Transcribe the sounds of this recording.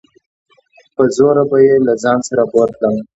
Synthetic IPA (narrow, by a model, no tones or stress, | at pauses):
pəzoɾabajelazɑnsaɾaboɾkləm